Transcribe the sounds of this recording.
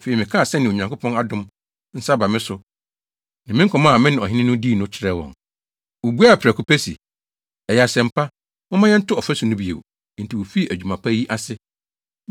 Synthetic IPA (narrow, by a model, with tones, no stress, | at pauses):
fe˨ɾi˨mɪ̃˨kʰa˦˨sɛ˦n˨ɪ̃˨o˨ɲã˨ŋkʊ˦pʰɔ̃˦na˨dʊ̃˦m | n̩˦sa˦ba˨mɪ̃˦sʊ˨ | nã˨mɪ̃˦ŋ̩˦kʰɔ˨mã˦˨mɪ̃˦nɪ̃˨ɔ˨ɦɪ˦nɪ̃˦nʊ̃˦diː˦˨nʊ̃˦t͡ɕʰɪ˦ɾɛ˦˨wɔ̰̃˨n | wo˨bu˦a˦˨pʰɪɾæ˨kʰu˨pʰæ˦sḭ˨ | ɛ˨jɛ˨a˨sɛ̃˨m̩˨pʰa˦ | mʊ̃˦mã˦jɛ˦n̩˦tʰʊ˦ɔ˨fæ˦su˨nʊ̃˦bi˨ḛ˨w | n̩˨tʰi˨wo˨fi˦˨ʔæ˨d͡ʑᶣu˨mã˨pʰa˦ji˦ʔa˦sɪ˦